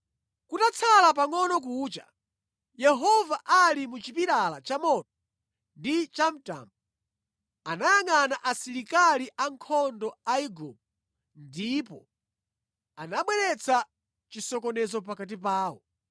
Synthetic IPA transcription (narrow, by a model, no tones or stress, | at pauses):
kutat͡sʰalap̬aŋɔnɔk̬uːt͡ʃa̰ | jɛɦɔvaʔalimut͡ʃipiɾalat͡ʃamɔtɔ | ndit͡ʃam̩ta̰ːmbɔ | anajaŋanaʔasiɾikaliʔaŋkʰɔndɔaiɡɔ̰m | ndipɔ | anaɓwɛɾɛt͡sʰa | t͡ʃisɔkɔnɛzɔp̬akat̬ip̬aːwɔ̰